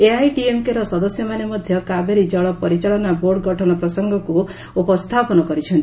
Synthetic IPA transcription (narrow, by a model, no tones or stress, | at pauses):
eajʈiemkeɾɔsɔd̪ɔsjɔmanemɔd̪ʱjɔkabeɾid͡ʒɔɭɔpɔɾit͡ʃaɭɔnaboɾɖɡʱɔʈʰɔnɔpɾɔsɔŋɡʱɔku | upɔst̪ʰapɔnɔkɔɾit͡ʃʰɔnt̪i